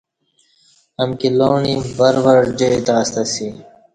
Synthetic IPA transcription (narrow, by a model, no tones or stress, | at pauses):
ɐmkiloːɳibɐɾʋɐɾd͡ʑeit̪aːst̪ɐsi